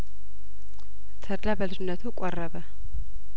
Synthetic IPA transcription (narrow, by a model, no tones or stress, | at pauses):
t̪ʰəd̪labəlɨd͡ʒɪnːət̪ʰukʷʼɔrːəβə